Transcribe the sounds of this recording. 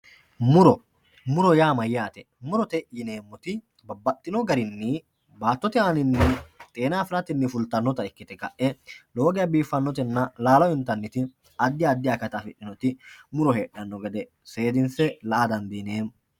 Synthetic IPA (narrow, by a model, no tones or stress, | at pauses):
mʊɾɔ | mʊɾɔjaːmɐjːaːt̪ɛ | mʊɾɔt̪ɛjɪneːmːɔt̪ɪ | bɐbːɐt̪ʼːɪnɔɡɐɾɪnːɪ | baːt̪ːɔt̪ɪaːnɪnːɪt̪ʼeːnaːfɪɾɐt̪ɪnːɪfʊlt̪ːɐnːɔt̪ɐɛkːɪt̪ɛkɐ̰ʔʔɛlo̞ːɡɪjɐbiːfːɐnːɔt̪̬ɛnːɐlaːlɔɪnt̪ːɐnːɪt̪ɪ | ɐd̪ːɪjaːd̪ːɪjakɐt̪ɐfɪᶑɪnɔt̪ɪmʊɾɔɦeːɗɐnːɔɡɛd̪ɛ | se̞ːd̪ɪnsɛlɐʔad̪ɐnd̪iːneːn